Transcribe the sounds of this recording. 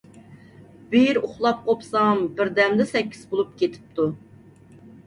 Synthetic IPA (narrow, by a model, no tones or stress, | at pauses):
b̥ijɾuχlˠɑp̚qʰopsɑmbɪɾd̪ɛmd̪ɛsɛkʲʰːi̥zbolˠup̚kʲet̪ʰɪ̥p̚t̪ʰu